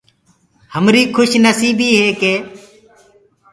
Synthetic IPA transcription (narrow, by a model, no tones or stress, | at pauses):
həmɾiːkʰʊʃnəsiːbiːɦeːkeː